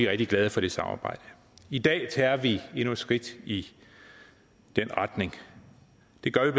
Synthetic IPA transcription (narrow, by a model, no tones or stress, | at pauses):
iʁɛɡ̥̚d̥iɡ̥lɛð̞ˠəfɒ̽d̥e̝sɑ̈mɑ̰̈ːb̥ɑ̈ɪ̰d̥ə | id̥ɛ̰ːt͡sʰɛːɐʋie̝nue̥sɡ̥ʁid̥i | d̥enʁɑd̥ne̝ŋ | d̥e̝ɡ̥ɶɐʋib̥